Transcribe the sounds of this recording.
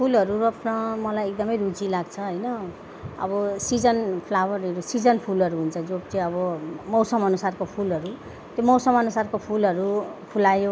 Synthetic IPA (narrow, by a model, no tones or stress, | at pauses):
pʰulɦʌɾuɾʌpʰnʌmʌlajek̚d̪ʌmʌjɾud͡zilaɡt͡sʰʌɦʌjnʌ | ʌ̰bʌsid͡zʌnpʰlawʌɾʌɾusid͡zʌnpʰulʌɾuɦunt͡sʰʌd͡zobt͡siʌbʌmʌwsʌmʌnusarkopʰulɦʌɾu | t̪jomʌwsʌmʌnusarkopʰulʌɾupʰulajo